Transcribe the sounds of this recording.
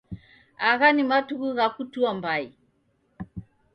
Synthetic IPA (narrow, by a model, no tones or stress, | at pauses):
aɣanimatuɣuɣakutuambai